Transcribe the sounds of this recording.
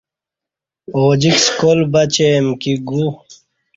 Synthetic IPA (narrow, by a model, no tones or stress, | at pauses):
oːd͡ʑikskolbɐt͡ɕemkiɡu